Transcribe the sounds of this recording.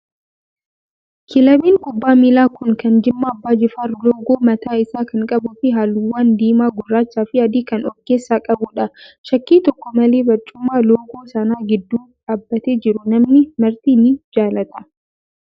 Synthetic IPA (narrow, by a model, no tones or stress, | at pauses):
kʰɪlɐbiːŋkʼʊbːaːmiːlaːkʊŋkɐnd͡ʒɪmːaːbːaːd͡ʒɪfaːɾloːɡoːmɐt̪aːɪsaːkɐŋkʼɐbʊfɪɦaːluwːaːnd̪iːmaːɡʊrːaːt͡ʃːaːfɪɐd̪iːkɐnɔkːeːsːaːkʼɐbʊᶑɐʃɐkːiːt̪ɔkːɔmɐleːbɐt͡ʃʼːʊmːaːloːɡoːsɐnaːɡɪd̪ːuːᶑaːbːɐt̪eːd͡ʒɪɾʊnɐmnɪmɐɾt̪iːnɪd͡ʒaːlɐt̪ɐ